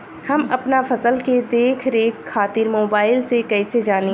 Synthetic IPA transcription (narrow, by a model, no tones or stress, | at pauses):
hɐmɐpnafɐsəlked̪eːkʰɾeːaːt̪ɪɾmoːbaːɪlsekɛːsed͡ʒaːni